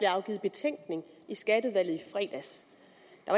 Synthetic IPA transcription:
b̥leɑ̈ʊɡ̥ḭːð̩ˠb̥e̝t͡sʰeŋ̰ɡ̥ne̝ŋisɡ̥ædəʋæl̰ð̩ˠifʁɛ̰ːd̥æs | d̥ɑ̈ʋɑ

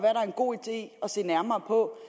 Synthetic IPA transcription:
ʋæɐɾ̥ɑ̈ɐenɡ̥o̝̰ːid̥e̝̰ːɒ̽se̝̰ːnæɐmɐːpʰɒ̽

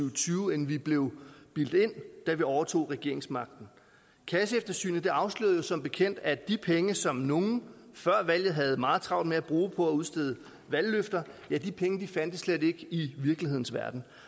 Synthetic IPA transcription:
ʊt͡sʰyːʊenʋib̥le̝ʊb̥il̰d̥e̝n̰d̥æʋiɒʊɐt͡sʰo̝̰ːʁɛɡ̥e̝ɐ̰e̝ŋsmɑ̈ɡ̥̚d̥n̩ | kʰæs̬əefd̥ɐsy̰ːnð̩d̥e̝ɑ̈ʊslø̰ːð̩ˠjo̝sɒ̽mb̥e̝kʰen̰d̥æd̥ipʰeŋəsɒ̽mno̝ŋn̩fɶɐ̰ʋæl̰jð̩ˠɦæð̞̩ˠmɑ̈ːð̩ˠt͡sʰʁɑ̈ʊ̰d̥meæb̥ʁuːpʰɒ̽æuð̞ˠsd̥eðˠ | ʋælːøfd̥ɐjæd̥ipʰeŋəd̥ifæn̰d̥əsled̥e̝ɡ̥iʋiɐɡ̥lihe̝ð̰ˠn̩sʋæɐd̥n̩

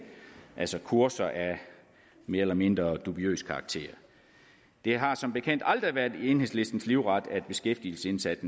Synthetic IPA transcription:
ʔælsɒkʰuɐsɐʔæ | me̝ːɐelɐme̝nd̥ʁɐd̥ub̥iø̰ːskʰɑ̈ɡ̥̚t͡sʰe̝̰ːɐ | d̥e̝ɦɑ̈sɒ̽mb̥e̝kʰen̰d̥ɑld̥ʁiʋæɐdˠie̝ːnhe̝sle̝sd̥n̩sliʊʁɑd̥æd̥̚b̥e̝sɡ̥efd̥il̩səe̝nsæd̥n̩

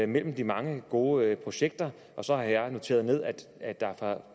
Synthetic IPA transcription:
mel̰m̩d̥imɑ̈ŋəɡ̥o̝ːpʰʁo̝ɕeɡ̥̚d̥ɐ | ʔɒ̽sɒ̽hɑ̈jɑ̈no̝t͡sʰe̝̰ːɐð̞̩ˠne̝ð̞̰ˠæd̥æd̥ɑ̈fɑ̈

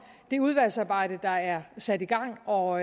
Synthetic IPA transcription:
d̥e̝uð̞ˠʋæl̰sɑ̈ːb̥ɑ̈ɪ̰d̥əd̥ɑ̈æɐsæd̥iɡ̥ɑ̈ŋ̰ɒ̽

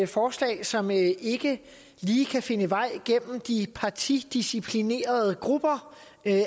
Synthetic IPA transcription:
fɒːslɛ̰ːɪsɒ̽me̝ɡ̥ə | liːkʰæfe̝nəʋɑ̈ɪ̰ɡ̥en̰m̩d̥ipʰɑ̈t͡sʰid̥isipʰline̝̰ːɐð̞ˠəɡ̥ʁub̥ɐ

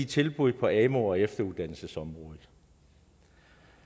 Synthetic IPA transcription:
it͡sʰe̝lb̥uðˠpʰɒ̽ɛmo̝ɒ̽efd̥ɐuðˠd̥æn̰l̩səsɒ̽mʁɔ̽ːðˠð̩ˠ

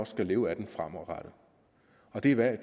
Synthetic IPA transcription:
ɒ̽sɡ̥æle̝ːʊæd̥enfʁam̰ɒ̽ʁɑɾ̥ə | ɒ̽d̥e̝ʋæɐ̰d

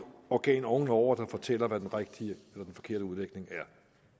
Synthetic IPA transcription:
ɒɡ̥ɛ̰ːnɒŋn̩ɒʊ̰ɐd̥ɑ̈fɒ̽t͡sʰel̰ɐʋæd̥enʁeɡ̥̚d̥ielɐd̥enfɒ̽kʰe̝ɐ̰ɾəuð̞ˠleɡ̥ne̝ŋæɐ

